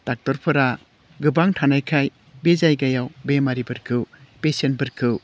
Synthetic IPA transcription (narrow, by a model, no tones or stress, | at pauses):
d̥ak̚tɔɾpʰɯɾa | ɡɯbaŋtʰanajkʰaj | bezajɡajawbemaɾibɯɾkʰɯwpesenbɯɾkʰɯw